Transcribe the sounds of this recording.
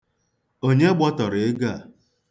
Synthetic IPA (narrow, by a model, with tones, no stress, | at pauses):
o˦ɲe˦ɡ͡bɔ˦tɔ˨ɾɪ˨ɪ˦ɡa˦˨